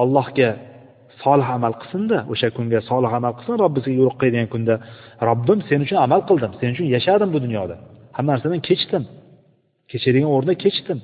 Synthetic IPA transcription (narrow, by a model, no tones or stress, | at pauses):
ɒlˠːɒhɡʲa | sɒlˠɪhamalˠqʰɨ̥sɨnd̪aʔoʃakʰʊŋɡʲasɒlˠɪhamalˠqʰɨ̥l̥sɨnɾɒbːɪsɡʲajʊɾʊqʰːɨjd̪ɪɡʲankʰʊnd̪aɾɒbːɪmse̞nʊt͡ʃʰʊnamalˠqʰɨlˠd̪ɪmse̞nʊt͡ʃʰʊnjaʃad̪ɪmbʊd̪ʊnjɒd̪ahamːanaɾsad̪ankʲʰe̞t͡ʃt̪ɪm | kʲʰe̞t͡ʃʰɪd̪ɪɡʲanoɾnakʲʰe̞t͡ʃt̪ɪm